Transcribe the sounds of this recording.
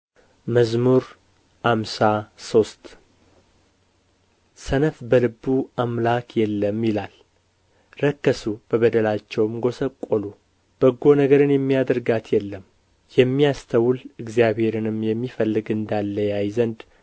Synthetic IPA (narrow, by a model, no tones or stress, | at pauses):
məzmuɾ | hamsaso̞st̪ | sənəfbəlɨbːuamlakjɛlːəmjɪlal | ɾəkːəsub̥əβəd̪əlat͡ʃːɛwɨmɡo̞səkʼːolu | b̥əɡːo̞nəɡəɾɨnjɛmːijad̪əɾɡat̪ʰjɛlːəm | jɛmːijast̪ʰəwlɨɡzijaβhe̞ɾɨnɨmjɛmːifəlːɨɡɨnd̪alːəjajzənd̪